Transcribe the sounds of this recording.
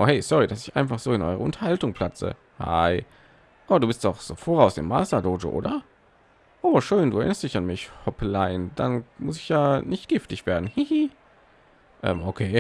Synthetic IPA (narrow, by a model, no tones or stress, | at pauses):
ʔoːhɛɪsɔʁidasɪçʔaɪ̃nfaχz̥oːɪnʔɔ̰ʏʁəʊntʰɐ̥haltʊŋpl̥at͡sə̰ | ha̰ɪ | ʔaːbɐduːbɪstd̥ɔχz̥o̰ːfoːʁaʊsɪ̰mːa̰ːstɐdoːʒə̰ʔo̰ːdɐ | ʔoːʃøːnduːɛɐʔɪnɐst̚d̥ɪçanmɪçhɔplaɪnd̥a̰nmʊsɪçjaːnɪçtɡ̥ɪftɪçv̥eːɐdn̩hihi | ʔɛ̰mʔokʰeː